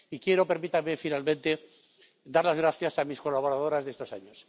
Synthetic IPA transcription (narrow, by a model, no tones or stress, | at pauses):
ikje̞ɾo̞pe̞ɾmit̪aɾmefinalmẽnt̪e | d̪aɾlazɣɾaθjasamisko̞laβ̞o̞ɾað̞o̞ɾazðe̞st̪o̞saɲos